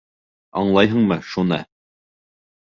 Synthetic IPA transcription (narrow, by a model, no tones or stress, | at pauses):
ɑɴlˠɑjɦɤɴmɤʃunɑ̰